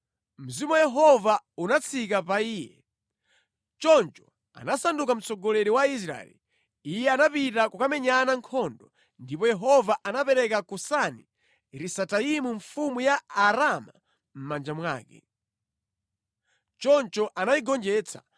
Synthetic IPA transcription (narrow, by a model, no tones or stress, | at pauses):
m̩zimuwajɛɦɔvaunat͡sʰikapaiːjɛ̰ | t͡ʃɔnt͡ʃɔ̥ | a̰nasandukam̩t͡sɔɡɔlɛɾiwais̬ɾa̰ɛ̰li | ijɛanapitakukamɛɲanaŋkʰɔndɔ | ndipɔjɛɦɔvaʔanapɛɾɛkakusani | ɾisataimuɱfumujaːɾama | m̩mand͡ʒamwa̰ːkɛ̰ | t͡ʃɔnt͡ʃɔʔanaiɡɔnd͡ʒɛːt͡sʰḁ